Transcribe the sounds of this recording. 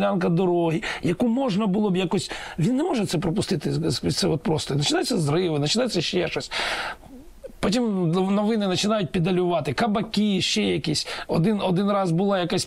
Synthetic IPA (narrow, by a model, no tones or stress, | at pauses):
lʲankɐd̪ɔɾɔɦijɐkumɔʒnɐbʊlˠɔbjakɔsʲʋʲinːɛmɔʒɛt̪sɛpɾɔpʊst̪ɪt̪ɪʋʲisɛɔt̪̚pɾɔst̪ɔinɐt͡ʃɪnajɛt͡sʲːɐzrɪʋɪnɐt͡ʃɪnɑjɛsʲɐʃt͡ʃɛʃɔsʲtʲ | pɔtʲimnɔʋɪnɪnɐt͡ʃɪnɑjʊt̚ʲpʲid̪ɐlʲʊʋɑt̪ɪkɐbɐkʲiʃt͡ʃɛjɐkisʲɔd̪ɪnɔd̪ɪnrɑzbʊlˠɑjɐkasʲ